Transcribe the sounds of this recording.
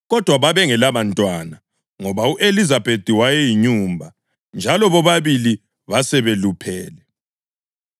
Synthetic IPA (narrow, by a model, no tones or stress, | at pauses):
ɣɔd̥ʱwaβaβɛŋɛlaβantʼwana | ŋɔβauʔelizab̥ʱed̥ʱiwajɛjiɲuːmbʱa | nd͡ʒʱalɔβɔβaβili | βasɛβelupʰɛːlɛ